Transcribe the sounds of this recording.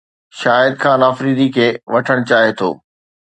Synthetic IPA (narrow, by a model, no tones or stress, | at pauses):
ʃaːɪd̪̚kʰãːnaːfɾiːd̪ikʰeːʋɐʈʰəɽ̃ʊt͡ɕaːɦet̪ʰo̰ː